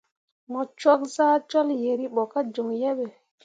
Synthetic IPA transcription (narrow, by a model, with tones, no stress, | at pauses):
mɔ˨t͡ʃwa˦k̚zaː˦t͡ʃa˦lje˨ɾi˦ɓɔ˨ka˦d͡ʒo˨ŋjɛ˦ɓɛ˨